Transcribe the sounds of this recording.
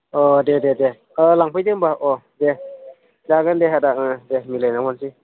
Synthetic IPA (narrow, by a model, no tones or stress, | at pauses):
ɔdedede | ɯlaŋpʰɯjdɯmbaʔɔ | de | daɡɯndeɦadaɯdemilajnaŋmansi